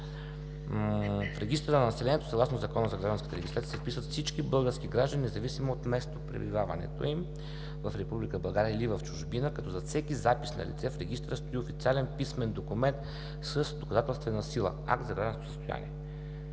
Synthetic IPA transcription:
fɾɛɡʲist̪ɾənɐnɐsɛlɛniɛt̪o̥sɐɡlˠasnozɐkɔnəzɐɡɾaʒd̪nkət̪ɛɾɛɡist̪aijəsɛfpisvət̪fsit͡ʃkibɤlˠɡəɾskiɡɾaʒd̪əninɛzɐvisimoːt̪mɛst̪opɾɛ̰bḭvavɐ̰nɛ̰t̪o̰im | vɐfɾɛpublikəbɐlˠɡaɾʲiəilivəft͡ʃuʒbinəkɐt̪ɔzɐfsɛkizapi̥snɐ̰lit̪sɛfɾɛɡist̪ɾəst̪oiofit̪sʲialɛnpismɛnd̪okumɛnt̪ | səsd̪okɐzat̪ɛlˠst̪vɛnəsilˠə̰a̰k̚t̪zɐɡɾaʒd̪nskt̪osə̥st̪oja̰nḭɛ

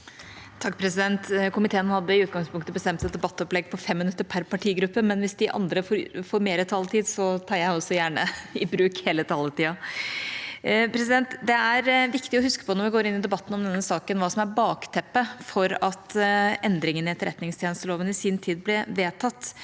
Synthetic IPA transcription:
t̪ʰɑkːpʰɾɛsɪd̪ɛnt̪kʰʊmɪt̪eːənhɑd̪ːəɪʉːt̪̚ɡɑŋspʰʊŋkt̪əbəst̪ɛmt̪sɛd̪ɛbɑt̪ːɔplɛɡpʰɔfɛmːɪnʉt̪ːəɾpʰæɾpʰɑʈʰiːɡɾʉpːəmɛnʋɪsd̪ɪʔɑ̰nd̪ɾəfɔɾfoːɾmeːɾət̪ʰɑlət̪ʰiːd̪sɔt̪ʰɑːɾjæɪɔsːɔjæːɳə̰ɪbɾʉːkheːlət̪ʰɑlət̪iːɑ | pʰɾɛs̬ɪd̪ɛnt̪d̪ɛæɾʋɪkt̪ɪɔhʉskə̥pʰɔnɔɾʋɪɡoːɾɪnːɪd̪ɛbɑt̪ːnɔmd̪ɛnːəsɑːkənʋɑːsɔmæɾbɑːkt̪ʰɛpːəfɔɾɑt̪ʔɛnd̪ɾɪŋənɪɛt̪ːəɾʔɛt̪nɪŋst̪jenəst̪əloːʋənɪsiːnt̪ʰiːd̪̚blɛʋeːt̪ʰɑt̪ː

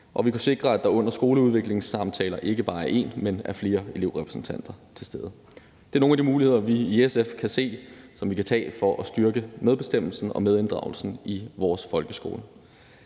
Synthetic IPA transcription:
ʔɒ̽ʋikʰuse̝ɡ̥ʁɐæd̥ɑ̈ɔ̽n̰ɐsɡ̥o̝ːləuð̞ˠʋeɡ̥le̝ŋsɑ̈mt͡sʰɛːlɐʔe̝ɡ̥əb̥ɑ̈ːæɐe̝̰nmenæɐfle̝ːɐe̝le̝ʊ̰ʁɛpʰʁɛsn̩t͡sʰæn̰d̥ɐt͡sʰe̝lsd̥eːð̞ˠə | d̥e̝æɐno̝ːŋnæd̥imuːlihe̝ð̞̰ˠɐʋiːesefkʰæse̝̰ːsɒ̽mʋikʰæt͡sʰɛ̰ːfɒ̽ʔæsd̥yɐɡ̥əmeð̞ˠb̥e̝sd̥em̰l̩sn̩ɒ̽með̞ˠe̝nd̥ʁɑ̈ʊl̩sn̩iʋɒːsfɒ̽lɡ̥əsɡ̥o̝̰ːlə

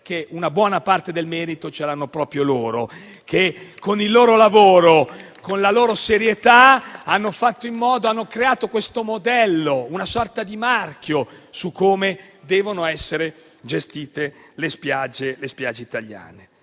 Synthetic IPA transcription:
k̟eʔunabwɔːnapart̪ed̪elmɛːɾit̪ot͡ʃeɾanːopɾɔːpɾjoloːɾo | kʰekʰːonilːoːɾolavoːɾo | konlaloːɾoseɾjet̪aanːofat̪ːoimːɔːd̪oanːokɾeaːt̪okwest̪omod̪ɛlːounasɔrt̪ad̪imarkjosukʰːoːmed̪ɛːvonoɛsːeɾe | d͡ʒest̪iːt̪elespjad͡ʒːelespjad͡ʒeit̪aʎːa̰ːne

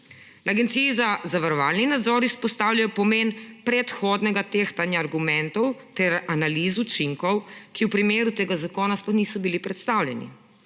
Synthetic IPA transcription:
naɡɛnt̪siːzazaʋaɾɔʋaːlninad̪zɔɾispɔst̪aːwlʲjajɔpɔmeːnpɾɛt̪xɔːd̪nɛɡat̪eːxt̪anjaːɾɡumɛnt̪ɔwt̪ɛɾanalizut͡ʃiŋkɔwkiwpɾimeːɾut̪eːɡazakɔːnasplɔxniːsɔbilipɾɛt̪st̪awljɛnḭ

